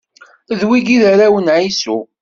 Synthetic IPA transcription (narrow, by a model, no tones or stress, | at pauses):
ðwiɡiðaɾawənʕisu